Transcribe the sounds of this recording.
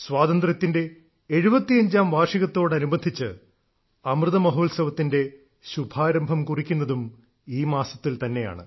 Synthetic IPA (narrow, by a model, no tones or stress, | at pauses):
swaːðɐnd̪rɐt̪ːinde̞ː | ɻubɐt̪ːijɐɲd͡ʑaːmʋaːʂiɣɐt̪ːo̞ːɽɐnubɐnd̪ʱit͡ɕːɨ | ɐmrɨðɐmɐɦoːlsɐʋɐt̪ːinde̞ | ɕubʱaːɾɐmbʱɐmkurikʲːunːɐðum | iːmaːsɐt̪ːilt̪ɐnːe̞ja̰ːɳɨ̰